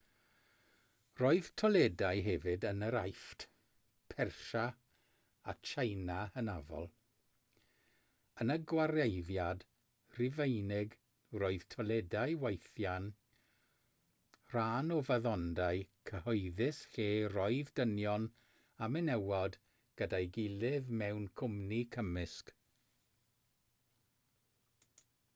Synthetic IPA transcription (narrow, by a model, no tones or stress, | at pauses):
roɨð̥tʰɔlˠɛdajɦɛvɨdənəɾa̰jftʰ | pʰɛrʃa | a̰t͡ʃʰejnahənavɔ̰lˠ | ənəɡwaɾejðjad | rɪvejnɪɡ | roːɨð̥tʰɔlˠɛdajwejθjan | r̥aːnɔvaðɔndaɨkʰəhɔɨðɪsɬeːrɔɨðdənjɔn | amɪnɛwɔd | ɡ̥ədajɡɪlˠɪðmɛwnkʰʊmnikʰəmɪsk